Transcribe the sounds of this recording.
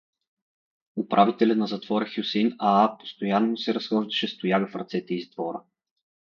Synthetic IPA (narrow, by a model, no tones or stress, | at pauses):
ʊpɾʔavit̪ɛlʲənɐzɐt̪vɔɾəxjusɛnaapo̥st̪ojanːosɛɾɐsxɔʒd̪ɐʃɛst̪ojaɡəfɾɐt̪sɛt̪ɛizd̪vɔɾə